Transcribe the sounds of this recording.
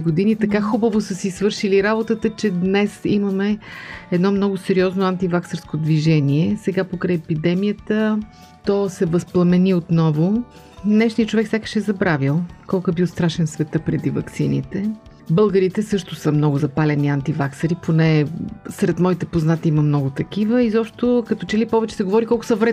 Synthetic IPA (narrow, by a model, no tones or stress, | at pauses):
iɡod̪init̪ɐkaxubəvosəsisvɤɾʃiliɾabot̪ət̪ət͡ʃɛd̪nɛsiməmɛɛd̪nɔmnɔɡʊsɛɾiɔznoant̪ivaksəɾskod̪viʒɛniɛsɛɡapokɾɛjɛpid̪ɛmijət̪ə | t̪ɔsɛvɐsplˠɐmɛniot̪nɔvo | d̪nɛʃniət͡ʃovɛkfsʲjakə̥ʃɛzɐbɾavilˠkɔlˠkʊɛbilˠst̪ɾaʃɛnsvɛt̪əpɾɛd̪ivɐksinḭt̪ɛ | bɤlˠɡəɾit̪ɛsɤʃt̪ʊsəmnɔɡʊzɐpalʲɛniant̪ivaksɐɾipʰonɛsɾɛt̪mɔit̪ɛpoznat̪iimɐmnɔɡʊt̪ɐk̟ivəizɔpʃt̪okɐt̪ɔt͡ʃɛlipɔvɛt͡ʃɛ̥sɛɡovɔɾikɔlˠkʊ̥səvɾɛ